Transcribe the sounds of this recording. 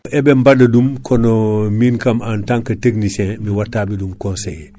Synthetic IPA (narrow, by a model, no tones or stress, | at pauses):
ʔɛbɛmbadɐdumkʰɔnɔminkɐmantãŋkɐteknisɛ̃miwatːaːbidumkɔ̃nsḛj